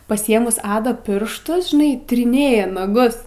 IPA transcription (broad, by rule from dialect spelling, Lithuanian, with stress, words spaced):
pɐsʲɪˈeːmʊs ˈɑːdɐ ˈpʲɪrʃtʊs ʒʲɪˈnɐɪ tʲɪrʲɪˈnʲeːjɛ nɐˈɡʊs